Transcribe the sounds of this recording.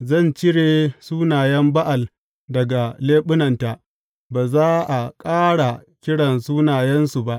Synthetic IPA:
zɐ˦˨nt͡ʃɪ˦ɽeː˨suː˦naː˨jɐ˦mba˦ʔa˨l | dɐ˨ɡa˨leː˦ɓʊ˦nɐ˨nta˨ʔ | baː˨zaː˦ʔa˨kʼaː˦ɽa˨kʲɪ˦ɽɐ˨nsuː˦naː˨jɐ˦nsu˨ba˦ʔ

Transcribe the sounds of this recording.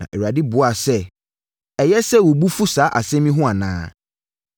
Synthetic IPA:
nã̰˨ʔɛ˨wa˨dɪ˦bʊ˨a˨sɛ˦ | ɛ˨jɛ˦sɛ˦˨wɔ˨bu˦fu˦saː˨˦ʔa̰˨sɛ̃˦mĩ˦ɦʊ̃˦a˨nã̰ː˦

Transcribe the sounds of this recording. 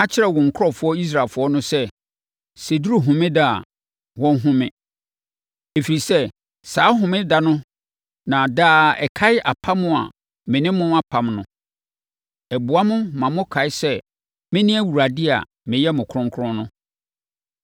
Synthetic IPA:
ã˦t͡ɕʰɪ˦ɾɛ˨wɔ̃˨ŋ̩˨kʰʊ˦ɔ˦˨fʊ˦ɔ˦i˦s̬ɾa˨lfʊ˦ɔ˦nʊ̃˦sɛ˦ | se˨du˦ɾu˦ɦʊ̃˨mɪ̃˦da˦a̰˨ | wɔ̃˦nɦʊ̃˦mɪ̃˦ | e˨fi˨ɾi˨sɛ˦ | saː˨˦ɦʊ̃˨mɪ̃˦da˨nʊ̃˦ | nã˨daː˦ɛ̰˨kʰa˦ɪ˦ʔa˨pʰa˦mʊ̃˦a̰˨ | mɪ̃˨nɪ̃˦mʊ̃˦a˦pʰã˨mnʊ̃˨ | ɛ˨bʊ˨a˦mʊ̃˦mã˨mʊ̃˦kʰa˨ɪ˦sɛ˦ | mɪ̃˦nɪ̃˦æ˦wu˨ɾa˨dɪ˦a̰˨ | mɪ̃˨jɛ˦mʊ̃˨kʰɾʊ̃˦ŋkʰʊ˦ʊ̃˦nʊ̃˦

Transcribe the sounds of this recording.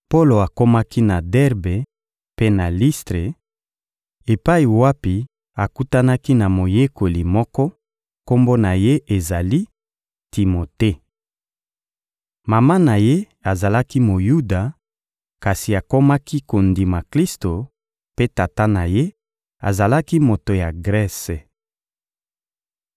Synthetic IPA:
po˦lo˨a˨ko˦ma˦ki˦na˨dɛ˦ʁbe˨ | pe˦na˨li˦stʁe˨ | e˨pa˦i˨wa˦pi˨ | a˨ku˦ta˦na˦ki˦na˨mo˨je˦ko˨li˨mɔ˦kɔ˦ | ko˦mbo˦na˨je˦ʔe˨za˨li˦ | ti˨mo˨te˦ | ma˨ma˦na˨je˦ | a˨za˨la˦ki˦mo˨ju˦da˨ | ka˨si˨a˨ko˦ma˦kʰi˦ko˨ndi˨ma˨kli˦sto˨ | pe˦ta˨ta˦na˨je˦ | a̰˨za˨la˦ki˦mo˨to˨ja˨ɡʁɛ˦se˨

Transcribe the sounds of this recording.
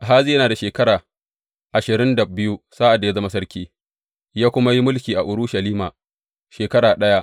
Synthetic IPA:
ʔa˨ɦaː˦zi˦jɐ˦naː˨da˨ʃeː˨kɐ˦ɾaː˨ | ʔa˨ʃɪ˨ɾɪ˦nda˨bɪ˦ju˦sa˦ʔa˨dːa˨ja˦zɐ˦ma˦sɐ˦rkʲiː˦ | jaː˦kʷʊ˦ma˦ji˦mʊ˦lkʲiː˨ʔa˨ʔʊ˨ɾʊ˦ʃɐ˨liː˦maː˨ | ʃeː˨kɐ˦ɾaː˨ɗɐ˦ja˦ʔ

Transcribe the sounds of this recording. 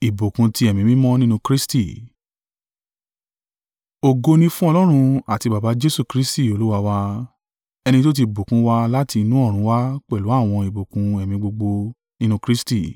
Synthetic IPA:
i˨bo˨kũ˧ti˧˦ɛ˨mĩ˨˦mĩ˦mɔ̃˦nĩ˦nũ˧˦kɾi˦sti˦˨ | o˨ɡo˧nĩ˧fũ˦ɔ˧lɔ˦ɾ̃ũ˧a˨ti˧ba˨ba˨˦d͡ʒe˦su˦˨kɾi˦sti˦˨o˨lu˦wa˧wa˧ | ɛ˧ñĩ˧to˦t̬i˧˨bo˨kũ˨˦wa˧la˦ti˧nũ˦ɔ˦˨ɾ̃ũ˨˦wa˦k͡pɛ˦˨lu˨˦a˦˨w̃ɔ̃˧i˨bo˨kũ˧ɛ˨mĩ˨ɡ͡bo˧ɡ͡bo˧ | nĩ˦nũ˧kɾi˦sti˦˨

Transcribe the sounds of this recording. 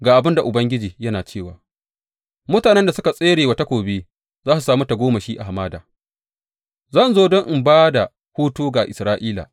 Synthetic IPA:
ɡaː˨ʔa˨bɪ˦nda˨ʔʊ˨bɐ˦ŋɡʲɪ˦d͡ʒiː˨jɐ˦naː˨t͡ʃeː˦˨wa̰ː˨ | mʊ˦taː˨nɛ˦nda˨sʊ˦ka˨sʼeː˦ɽeː˨wa˦ta˦kʷoː˨beː˦ | zaː˦su˨saː˦mu˦ta˨ɡʷoː˦ma˨ʃiː˦ʔa˨ɦa˨maː˦da̰ː˨ | zɐ˦˨nzoː˦dɔ˦ŋʔɪ˨mbaː˦da˨ | huː˦tuː˦ɡaː˨ʔɪ̰˨sɾaː˦ʔiː˦la̰ː˨

